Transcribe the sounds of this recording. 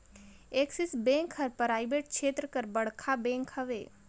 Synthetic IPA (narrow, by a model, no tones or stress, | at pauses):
eːksɪsbẽːŋkɦəɾpəɾaːɪbeːʈ̚t͡ʃʰeːt̪ɾəkəɾbɐɽ̤kʰabẽːŋkhɐʋḛː